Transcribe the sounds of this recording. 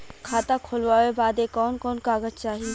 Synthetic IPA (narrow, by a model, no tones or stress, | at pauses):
kʰaːt̪akʰoːlʋaːʋebaːd̪ekɔːnkɔːnkaːɡəd͡ʒt͡ʃaːɦi